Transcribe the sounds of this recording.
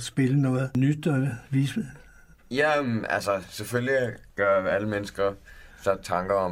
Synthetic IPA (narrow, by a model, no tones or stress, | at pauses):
sb̥e̝lənɔ̽ːð̩ˠnyd̥ɒʋis | jææ̰lsəseføljiɡ̥ɶɐæləmenəsɡ̥ɐsæ̥t͡sʰɑ̈ŋɡ̥ɐɒ̽